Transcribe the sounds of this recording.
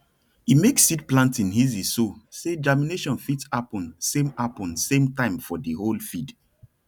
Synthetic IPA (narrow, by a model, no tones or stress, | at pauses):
imeksːidplãntĩnizisosed͡ʒamineʃɔ̃nfitapɔ̃nsẽmapɔ̃nsẽmtãɪ̃mfɔdiholfid